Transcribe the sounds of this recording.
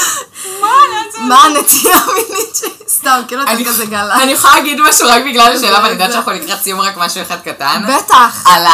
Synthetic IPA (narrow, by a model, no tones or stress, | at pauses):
mamaːnet̪ijaminit͡ʃest̪amkilukazeɡalaanijeχolalaɡid̪maʃuʁakbiɡlalːeʃeːlavalnidatʃanaχulnikʁatsijumʁakmaʃueχad̪̚katanbetaχala